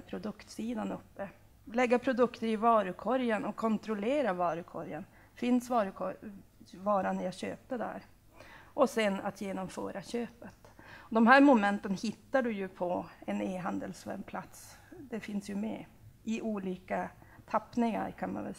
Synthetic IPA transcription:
pʰɾʊd̪ɵkt̪siːd̪anɵpːə | lɛɡːapʰɾʊd̪ɵkt̪əɾɪvɑːɾʉkʰɔɾjənɔkʰːɔnt̪ɾʊleːɾavɑːɾʉkʰɔɾjən | fɪnsvɑːɾkʰɔ | vɑːɾanjaɕø̰ːp̚t̪əd̪æ̰ɾ | ʔɔsɛna̰t̪ʰjeːnɔmfœ̰ːɾʔaɕøːpət̪ɔd̪ɔmhæːɾmʊmɛnt̪ənhɪt̪ːaɖɵjɵpʰɔɛneːɦand̪əlsvæ̰ɾmpʰlat̪s | d̪ɛfɪnsjɵmɛ̰ | ʔɪʔuːliːkat̪ʰapːnɪŋa̰ɾkʰanma̰nvɛ̰l

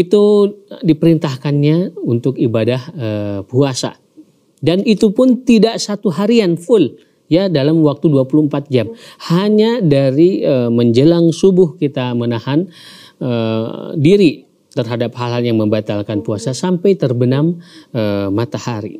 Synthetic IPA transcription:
it̪udipəɾint̪ahkanɲaunt̪ʊkibadahəpuasa̰ | danit̪upʊnt̪idaʔsat̪uɦaɾianfʊl | jadalamwak̚t̪uduapuluhəmpat̪̚d͡ʒamhaɲadaɾiəməɲd͡ʒəlaŋsubʊhkit̪amənahan | ədiɾi | t̪ərɦadaphalɦaljaŋməmbat̪alkanpuasasampajt̪ərbənaməmat̪ahaɾḭ

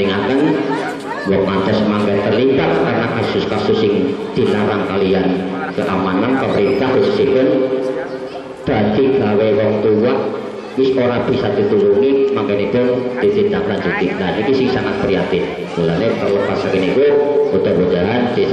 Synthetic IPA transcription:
iŋak̪ən | wɔmant̪ɛsmaŋkɛnt̪ərlitat̪̚karnakasʊskasʊsɪŋd̪̥i̤laɾaŋkaliankəʔamanampəməɾint̪ahʊssipʊn | d̪̥a̤d̪̥iɡ̥a̤wewɔŋt̪uwaʔ | wɪsoɾab̥i̤sad̪̥i̤t̪ulunimaŋkɛnipʊnd̪̥it̪id̪akand͡ʒuɡ̪inanikisɪŋsaŋat̪̚kɾiat̪ɪf | mulanet̪ərləpasakinikuud̪̥a̤bud̪̥aɦand̪̥i

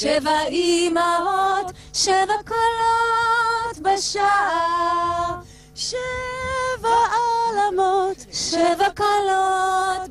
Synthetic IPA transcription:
ʃɛvaimaot̪ | ʃɛvakalot̪baʃaʔa | ʃɛ | vaalamot̪ʃɛvakalot̪

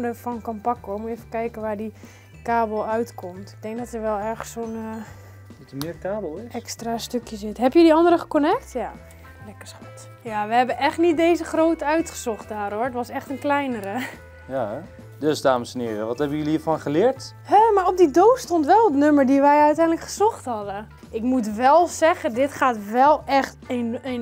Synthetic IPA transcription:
dəfɔnkɔmpɑkoɹɪkmuevəkɛjkənʋaːɹdi | kaːbəl̩ˠœɥtkʰɔmtɪ̥ɡ̚dɛŋk̚dɔtəɹʋɛlˠɛɹχəssoːnə | təmɪːkaːbl̩ˠɛkstrastøkjəsɪtɦɛpjədiɑndərəχə̥konɛk̚tja | lɛkəsχat | jaʋəɦɛbənʔɛχtnit̚dejzəχrowtəœɥtχəzɔχt̚daːroɹətʋɑsɛχtənklɛjnəɾə | jaɛ | døsdaːməsənɪːɾəʋɔthɛbəəjøliiːfɔnχəlɪːɹt | hɛmaːɹop̚didoːstontʋɛlˠədnøməɹdiʋɛjœɥtɛjndləkχəz̥ɔχtɦhɑdə | ɪkmutʋɛlˠsɛɣədɪtχaːtʋɛlˠɛxtnən

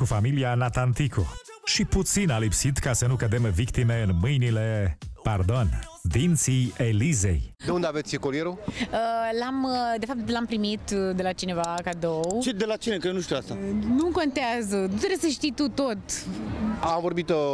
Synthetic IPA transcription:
kufamilianat̪ant̪ikʰo̰ | ʃiput̪sinalipsit̪kasənukəd̪emvik̚t̪ime̞ɨnmɨjnile̞pard̪o̞n | d̪int̪sijelize̞̰jd̪eund̪eavet̪sʲkoɾijeɾuəlamd̪efap̚t̪lampɾimit̪d̪e̞lat͡ʃine̞vakad̪owt͡ʃed̪elat͡ʃinekenuʃt̪iuast̪anuko̞nt̪eazənut̪ɾesəʃt̪ijt̪ut̪o̞t̪ | amvoɾbit̪

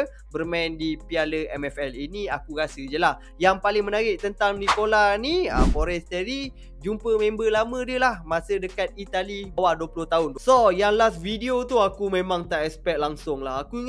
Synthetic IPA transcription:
bərmaɛndipialəɛmɛfɛliniakuɡasəd͡ʒəlah | jaŋpalɪŋmənaɾɪʔ̚t̪ənt̪aŋdikolaniə̰foɾɛst̪ɛɾi | d͡ʒumpəmẽmbəlamə̃diəlahmasədəkat̪̚it̪alibawaduəpulʊht̪aɦʊnd̪sojaŋlasfidiot̪uakumẽmãŋt̪aʔɛspɛk̚laŋsʊŋlaɦakuiŋ

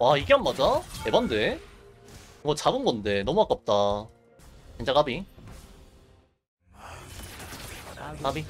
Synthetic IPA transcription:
waiɡeɦammad͡ʑae̞bande̞ | ɯŋɡʌt͡ɕabɯnɡʌnde̞nʌmuak͈ap̚t͈a | t͡ɕind͡ʑakabi | abi

